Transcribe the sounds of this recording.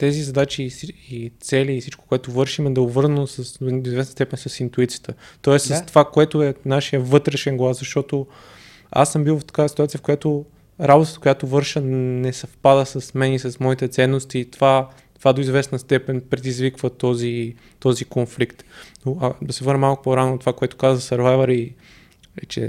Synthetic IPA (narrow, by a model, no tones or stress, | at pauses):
t̪ɛzizɐd̪at͡ʃiːsiit̪sɛliːfsit͡ʃko̥koɛt̪ovɤɾʃimɛd̪ɐovɤɾnəmsəsd̪oizvɛsnəst̪ɛpɛnsɐsint̪uit̪sijə̥t̪ət̪ɔɛssɐst̪ovakoɛt̪oɛnaʃijəvɤt̪ɾɛʃɛnɡlˠaszɐʃt̪ɔt̪o | a̰sːəmbilˠvɐft̪ɐ̥kaəsit̪uat̪siəfkojat̪o | ɾabot̪ə̥t̪ə̥kojat̪ovɤɾʃənɛsɐfpad̪əsɐsmɛnisɐsmɔit̪ɛt̪sɛnːost̪iːt̪ova | t̪ovad̪oizvɛsnəst̪ɛpɛnpɾɛd̪izvikvət̪ɔzi | t̪ɔzikonflikt̪noʔɐd̪ɐsɛvɤɾnəmalˠkʊ̥poɾanoːt̪ːovakoɛt̪o̥kazvsɐɾvajvəɾi | t͡ʃɛ̰